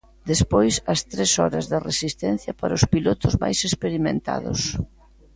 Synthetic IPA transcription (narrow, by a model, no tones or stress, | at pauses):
d̪espojsɐst̪ɾesɔɾɐzðɪresist̪ɛn̟θjɐpaɾaʊspilot̪ʊzma̰jsespeɾimẽnt̪a̰ðʊ̰s